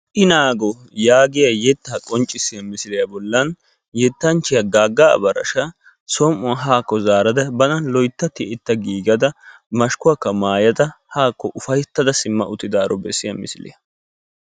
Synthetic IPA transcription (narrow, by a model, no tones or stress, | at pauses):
ʔɪnaːɡɔ | jaːɡɪjɐjɛt̪ːaːkʼɔnt͡ʃʼːɪsːɪjɐmɪsɪlɪjɐbɔlːɐn | jɛt̪ːɐnt͡ʃːɪjɐɡaːɡːa̰ːbɐɾɐ̰ʃɐ | sɔːmːʊɦaːkːɔzaːɾɐd̪ɐbɐnɐnlɔjt̪ːɐt̪ːɪɪt̪ːɐɡiːɡɐd̪ɐ | mɐʃkʊɐkːɐmaːjɐd̪ɐhaːkːɔʔʊfɐjt̪ːɐd̪ɐsɪmːɐ̰ʔʊt̪ːɪd̪aːɾɔbɛsːɪjɐmɪ̰sɪlɪ̰jɐ